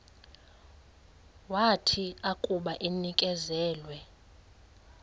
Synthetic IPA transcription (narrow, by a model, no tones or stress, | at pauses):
watʰiakʼuɓaʔenikʼɛzɛːlwɛ